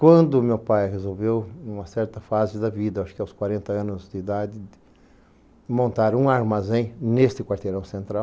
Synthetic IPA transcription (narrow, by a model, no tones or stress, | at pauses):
kwɐ̃nd̪ʊmewpajhezowvewũmɐsɛɾt̪ɐfazɪd̪ɐvid̪ɐwaʃʊ̥kɪawskwaɾẽnt̪ɐɐ̃nʊzd̪ɪid̪ad̪ɪd̪ɪ | mõnt̪aɾũaɾmazẽj̃nest̪ɪkwaɾt̪eɾɐ̃w̃sẽnt̪ɾaw